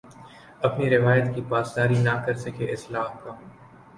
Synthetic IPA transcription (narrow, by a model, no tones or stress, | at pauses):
ɐpniɾɪʋaːjət̪kipaːsːaːɾinakɐɾsɐkʰeʔɪslaːɦka